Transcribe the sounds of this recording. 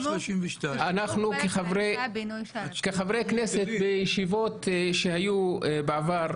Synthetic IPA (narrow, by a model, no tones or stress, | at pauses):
anaχnukeχavʁej | keχavʁejkneset̪bejiʃivo̞t̪ʃehajubeavaʁ